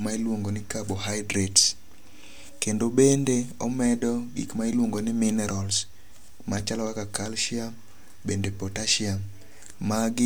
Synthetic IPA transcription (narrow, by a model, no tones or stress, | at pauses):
mailwoŋɡonɪkaboɦajdɾets | kendobendeɔmɛdɔɡḭkmailwoŋɡonɪmɪnɛɾʔɔls | mat͡ʃalɔwakakalʃɪam | bendepotaʃiamː | aɡɪ